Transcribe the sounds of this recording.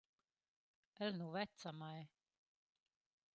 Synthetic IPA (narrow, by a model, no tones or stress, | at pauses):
ɛlnuvɛt̪samaj